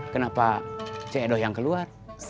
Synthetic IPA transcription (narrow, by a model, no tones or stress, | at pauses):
kənapat͡ʃɛɛdɔhjaŋkəluar